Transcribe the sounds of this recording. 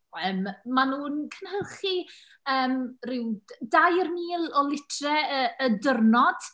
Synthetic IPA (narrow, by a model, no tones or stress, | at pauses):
əːmmːanuːnkʰənhəlˠχi | əːmrɪwdajərmiːlˠɔlˠɪtʰrɛəːdərnɔd̥